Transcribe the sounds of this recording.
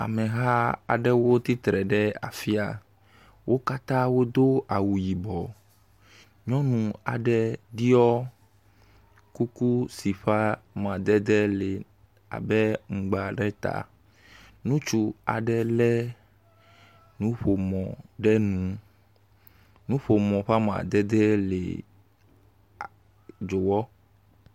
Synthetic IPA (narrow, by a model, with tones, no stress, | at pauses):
a̰˨mɛ̃˨ɦa˦a̰˨ɖɛ˦wo˦t̪i˦t̪ɾɛ˨ɖɛ˦a̰˨fi˦a̰˨ | wʔo˦ka˦t̪ã˦wo˦d̪o˦a˨wu˨ji˨bɔ˨ | ɲɔ̃˦nũ˨a̰˨ɖɛ˦di˦ɔ˦ | ku˦ku˦si˨ɸa˦mã˨d̪ɛ˦d̪ɛ˦lɛ˨ | a̰˨bɛ˦ŋ̩˨ɡ͡ba˨ɖɛ˦t̪a̰˨ | nũ˦t͡ʃu˦a̰˨ɖɛ˦lɛ˦ | nũ˦ɸo˨mɔ̃˨ɖɛ˦nũ˨˦ | nũ˦ɸo˨mɔ̃˨ɸa˦m˨a̰˨d̪ɛ˦d̪ɛ˦lḛ˨ | d͡ʒo˨wɔ˦